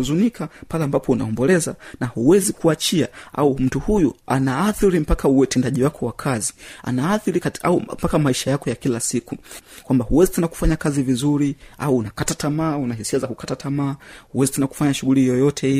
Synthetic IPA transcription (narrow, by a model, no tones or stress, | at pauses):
zunikʰapalɛambapɔuna̰ɔmbɔlɛzanahuwɛzikuat͡ʃiaa̰um̩tuhujuanaaθiɾim̩pakauwatɛndaʄiwakɔwakʰazia̰naaθiɾikaa̰upakamaiʃajakɔjakilasikukwambahuwɛzitɛnaku̥faɲakazivizuɾia̰uːnakatatamaːunahisiazakukatatamaːhuwɛzitɛnaku̥faɲaʃuɣulijɔjɔtʰɛi